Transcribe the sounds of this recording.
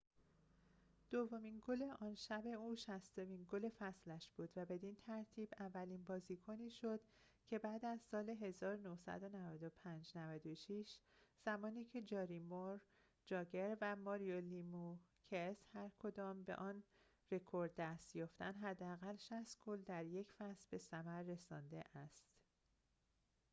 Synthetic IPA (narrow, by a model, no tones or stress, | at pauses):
d̪̥ovːo̞miːnɡole̞ʔɒːnʃæbe̞uːʃæst̪o̞minɡole̞fæslæʃb̥uːd̪væbe̞d̪int̪ʰæɾt̪ʰiːbævːæliːnbɒːziːkʰoniːʃod̪̥ | cʰe̞bæːd̪æzsɒːle̞ɦe̞zɒːɾonohsæ̰d̪o̞nævæd̪o̞pʰænd͡ʒnævæd̪oʃiʃz̥æmɒːniːcʰe̞d͡ʒɒːɾimoɾ | d͡ʒɒːɡeɾvæmɒːɾijolimucʰeshæɾkʰo̞d̪ɒːmbe̞̰ʔɒːn | re̞kʰo̞ɾd̪ːæst̪jɒːft̪ænɦæd̪ːeæɣælʃæst̪ɡold̪æɾje̞cʰfæslbe̞sæmæɾːe̞sɒːnd̪e̞ʔæst̪